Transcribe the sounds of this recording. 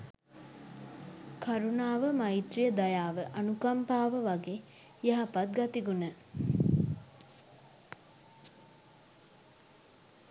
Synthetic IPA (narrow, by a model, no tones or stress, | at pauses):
kʰaɾunaːʋəmait̪ɾijəd̪ajaːʋəʔɐnukampaːʋəʋaɡe | jaɦapat̪ɡɐt̪iɡunə